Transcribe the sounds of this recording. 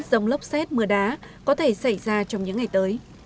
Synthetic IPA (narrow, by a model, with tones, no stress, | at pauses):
t̚zə˨˧˩wŋ͡mlə˦˥wk͡p̚sɛ˦˥t̚mɨ˨˩əɗaː˨˦kɔ˨˦t̪ʰe˧˩sa˧˩jzaː˧t͡ɕɔ˧wŋ͡mɲɨ̰˧˥ŋːa˨˩jt̪əː˨˦j